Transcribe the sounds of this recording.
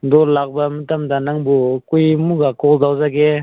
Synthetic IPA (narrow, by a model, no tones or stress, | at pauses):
d̪ɔɾlak̚bamətamdanaŋbukujmuɡakɔld̪awzaɡe